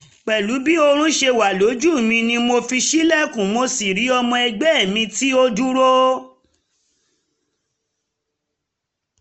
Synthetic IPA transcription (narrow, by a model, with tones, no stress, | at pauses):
k͡pɛ˨lu˨˦bi˦o˧ɾ̃ũ˦ʃe˧wa˨lo˨˦d͡ʒu˦˨mĩ˧nĩ˧mo˧fi˧ʃi˦lɛ˦˨kũ˨mo˧si˨ɾi˨˦ɔ˧mɔ̃˧ɛ˧ɡ͡bɛ˦˨mĩ˧ti˦o˦du˦ɾo˦